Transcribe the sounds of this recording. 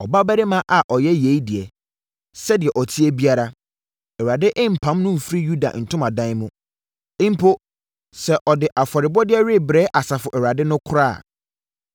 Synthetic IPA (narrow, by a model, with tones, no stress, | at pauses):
ɔ̰˨ba˦bæ˦ɾɪ˦mã˦ʔa˨ʔɔ˨jɛ˦je˨˦i˦dɪ˨ɛ˨ | sɛ˦dɪ˨ɛ˨ʔɔ˨tʰi˦ɛ˦bi˦a˦ɾa˦ | ɛ˨wa˨dɪ˦ʔɪ̃˦m̩˨pʰã˨˦mnʊ̃˦m̩˨fɾi˦ju˦da̰˨n̩˨tʰʊ̃˦ma˨dã˦n˦mʊ̃˦ | ɪ̃˦m̩˦pʰo˦ | sɛ˦ʔɔ˨dɪ˨ʔa˨fɔ˨ɾɪ˨bɔ˦dɪ˦ɛ˦ɾɪ˦˨bɾɛː˦ʔa˨sa˨fʊ˨ʔɛ˨wa˨dɪ˦nʊ̃˦kʰʊ˦ɾa̰˦˨